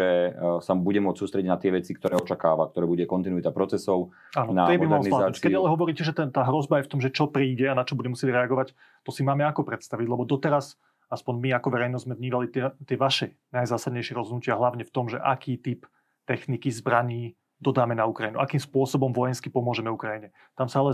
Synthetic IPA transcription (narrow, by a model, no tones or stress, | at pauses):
ɛsabuɟɛmʊɔt͡ssuːst̪ɾɛɟiɟnat̪ɪɛʋɛt͡sik̚t̪ɔɾɛːɔt͡ʃakaːʋak̚t̪ɔɾɛːbuɟɛkɔnt̪inuit̪apɾɔt͡sɛsɔʊ | aːnnaɛmɔimalɔɾniladaːukɛalɛɦɔʋɔɾiːcɛʒɛt̪ɛnt̪aːɦɾɔzbajɛft̪ɔmʒɛt͡ʃɔpɾiːɟɛanat͡ʃɔbuɟɛmusjɛɟɾɛaɡɔʋac | t̪ɔsimaːmɛakɔpɾɛt̪st̪aʋiɟlɛbɔd̪ɔt̪ɛɾas | aspɔɲmiakɔʋɛɾɛjnɔzzmɛvɲiːʋalit̪ɛt̪ɪɛʋaʃɛ | najzaːsad̪ɲɛjʃɪɛɾɔzɦɔd̪nucɪaɦlaʊɲɛft̪ɔmʒɛ̰ʔakiːt̪ip | t̪ɛxnikizbɾaɲiː | d̪ɔd̪aːmɛnaukɾajinṵʔakiːmspʊɔsɔbɔmʋɔjɛnskipɔmʊɔʒɛmɛukɾajiɲɛ | t̪amsaalɛ